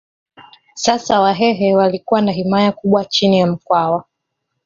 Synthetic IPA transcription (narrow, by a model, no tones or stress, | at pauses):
sasawaɦɛɦɛwalikuwanaɦimajakuɓwat͡ʃinijam̩kwawa